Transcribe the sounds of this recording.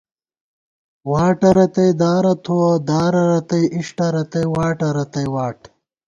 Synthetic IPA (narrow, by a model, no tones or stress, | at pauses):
waːʈɐɾɐt̪ɐjd̪aːɾɐt̪ʰuwɐd̪aːɾɐɾɐt̪ɐjʔiʂʈɐɾɐt̪ɐjwaːʈɐɾɐt̪ɐjwaːʈ